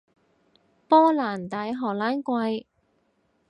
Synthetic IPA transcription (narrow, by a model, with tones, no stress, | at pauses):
pɔː˥laː˨˩nt̪aː˨˥jɦɔː˨˩laː˨˥nkʷɐ˧j